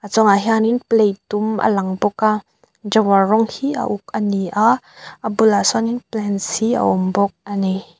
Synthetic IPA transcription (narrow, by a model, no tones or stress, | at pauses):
ʔat͡sɔŋaɦaninplejt̪umʔə̰laŋbɔka | d͡ʒawarɔŋhiʔə̰ʔuk̚əniʔa | abulasɔninplɛnshiə̰ʔɔmbɔk̚ani